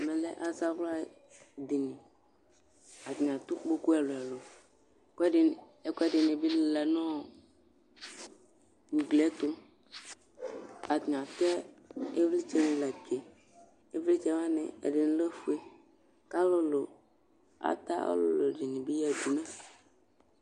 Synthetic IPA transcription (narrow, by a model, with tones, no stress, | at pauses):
mɛ̃˨lɛ̰˦ʔa˨za˦vla˦˨ | d̪i˨nĩ˨ | a˨t̪ɲ˨a˨t̪ʊ˦k͡po˦ku˦ɛ˨lo˨ɛ˨lo˨ | kkɛ˦dɪ˨nɪ˨bi˦llɛ˨nɔ̃˦ | ŋũ˨ɡlɛ˦t̪ʊ˦ | a˨t̪ɲ˨a˨tɛ˦e˦vli˦t͡ʃɛ˦nɪ̃˨la˨ke˨ | e˦vli˦t͡ʃɛ˦ma˦nɪ̰˨ɛ̰˨dɪ˨n˦le˦fu˦e˦ | ka˦lʊ˦lo˨ | a̰˨t̪a̰˦ɔ̰˦lʊ̰˦lo˨di˨nɪ̃˨bi˦jɛ˨d̪u˨nã˦